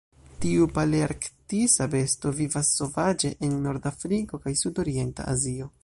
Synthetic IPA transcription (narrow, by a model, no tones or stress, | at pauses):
tiupaliaɾktisabe̞sto̞vivasːo̞vad͡ʒe̞ʔenːo̞ɾdafɾiko̞kajsudo̞ɾie̞nta̰a̰zio̞